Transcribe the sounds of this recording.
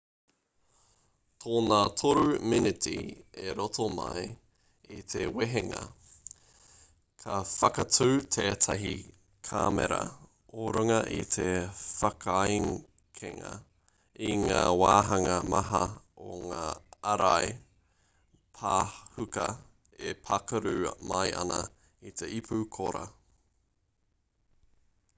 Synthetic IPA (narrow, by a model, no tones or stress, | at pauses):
t̪ʰoːnat̪ʰoɾuminɪt̪ḭeɾotʰomɐ̰j | it̪ʰeweɦeŋɐ̰ | kʰɐfɐkɐtʉːt̪ʰeːt̪ʰɐɦi | kʰaːmḛɾɐ̰ | oɾɐŋɐʔit̪ʰefɐkʰajŋ | kʰeŋɐ | iŋaːwaːɦɐŋɐmɐɦɐoŋaːɐɾaj | pʰaːhʉkɐ | epʰɐkɐɾʉːmɐjʔɐ̰nɐ | it̪ʰeʔipʰukʰoɾɐ